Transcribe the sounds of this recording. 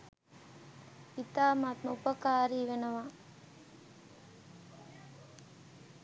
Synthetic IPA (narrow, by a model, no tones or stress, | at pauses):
it̪aːmat̪mɐupɐkaːɾiːʋenɐʋa